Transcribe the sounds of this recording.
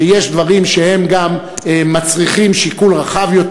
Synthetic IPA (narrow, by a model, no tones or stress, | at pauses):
jeʃd̪vaʁimʃehe̞mɡamː | at͡sʁiχimʃikulʁaχavjo̞t̪